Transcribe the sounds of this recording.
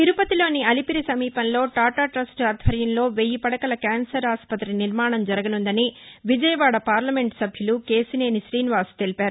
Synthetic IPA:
t̪iɾupɐt̪ilo̞ːniɐlipiɾisɐmiːpɐnlo̞ːʈaːʈaːʈɾɐsʈɐd̪ʱʋɐɾjɐnlo̞ːʋejipɐɽɐkɐlɐkaːnsɐɾaːspɐt̪ːɾiniɾmaːɳɐmd͡ʒɐɾɐɡɐnund̪ɐniʋid͡ʒɐjɐʋaːɽɐpaːɾlɐme̞ɳʈsɐbʱjuluke̞ːsineːnisɾiːnʋaːst̪e̞lipaːɾu

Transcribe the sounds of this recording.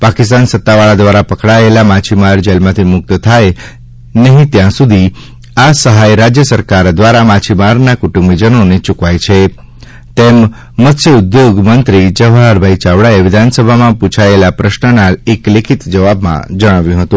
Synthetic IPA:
pakist̪ansət̪ːaʋaɭad̪ʋaɾapəkɽaelamat͡ʃʰimaɾd͡ʒelmãt̪ʰimʊk̚t̪ət̪ʰaj | nəɦĩt̪jãsud̪ʱi | asəɦajɾad͡ʒjəsəɾkaɾd̪ʋaɾamat͡ʃʰimaɾnakuʈũmbid͡ʒənonet͡ʃukʋajt͡ʃʰe | t̪emː | ət̪sjəʊd̪joɡmənt̪ɾid͡ʒəʋɦaɾbʱait͡ʃaʋɽaeʋɪd̪ʱansəbʱamãpũt͡ʃʰaelapɾəʃnənaeklekʰit̪d͡ʒəʋabmã̰d͡ʒəɽ̃aʋjũɦət̪ũ

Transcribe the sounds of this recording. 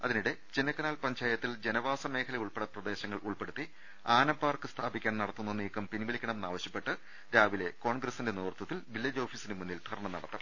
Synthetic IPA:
ɐ̰ðiniɽe̞t͡ɕinɐkːɐnaːlpɐɲd͡ʑaːjɐt̪ːild͡ʑenɐʋaːsɐme̞ːkʰɐlɐjuɭpeɽɐprɐd̪e̞ːɕɐŋːɐɭʔuɭpe̞ɽut̪ːi | aːnɐpːaːrkɨst̪ʰaːbikʲːaːɳnɐɽɐt̪ːunːɐniːkːɐmpiniʋiɭikʲːɐɳɐmenːaːʋɐɕjɐpːe̞ʈːɨ | ɾaːʋile̞ko̞ːɳɡrɐsinde̞nuːrt̪ːɐt̪ːilʋilːɐd͡ʑo̞ːfiːsinemunːilt̪ʰɐɾɐɳɐmnɐɽɐt̪ːɐm

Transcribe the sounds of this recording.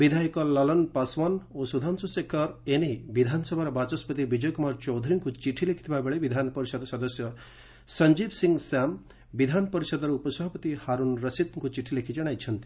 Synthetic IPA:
bid̪ʱaikɔlɔlɔnpasʋanosud̪ʱansusekʰɔɾenebid̪ʱansɔbʱaɾɔbat͡ʃɔspət̪ibid͡ʒɔjkumaɾt͡ʃɔwd̪ʱɾiŋkut͡ʃiʈʰilekʰi̥t̪ʰibabeɭebid̪ʱanpɔɾisɔd̪sɔd̪ɔsjɔ | sɐɲd͡ʒibsiŋɡsam | bid̪ʱanpɔɾisɔd̪ɔɾɔupɔsɔɦɐpɔt̪ihaɾunɾəsit̪ŋkut͡ʃiʈʰːilekʰid͡ʒɔɽ̃ajt͡ʃʰɐnt̪i̥

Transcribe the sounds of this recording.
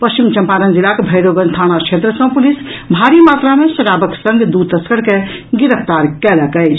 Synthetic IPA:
pəst͡ʃimt͡ʃə̃mpaɾənd͡ʒilakebʱəɪɾoɡənt̪ʰañat͡ʃʰet̪ɾəsə̃pulisbʱaɾimat̪ɾamesəɾabəksə̃ŋɡd̪ud̪̚t̪əskəɽkeɡiɾəpʰt̪aɾkɛləkəjt͡ʃʰ

